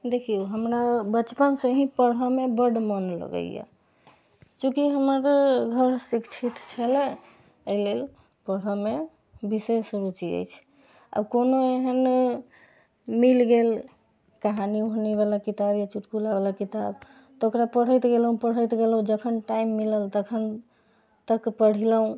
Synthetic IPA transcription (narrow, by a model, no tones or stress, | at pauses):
d̪ekʰiuɦəmɾabət͡ʃpənsə̃ɦĩpəɽ̤əmebəɖmənlə̰ɡə̰ja̰ | t͡ʃũkiɦəməɾɡʱəɾsikt͡ʃʰit̪t͡ʃʰəlɛ | əilel | pəɽ̤əme | bisesuɾut͡ʃiə̰jt͡ʃʰ | ə̰bkonoeɦən | milɡel | kaɦaniɦoneβalakit̪abjat͡ʃuʈkulaβalakit̪ab | t̪okɾapəɽ̤əjt̪ɡelɦũpəɽ̤ət̪ɡelɦũd͡ʒəkʰənʈaimːiləlt̪əkʰən | t̪əkpəɽ̤iləɦũ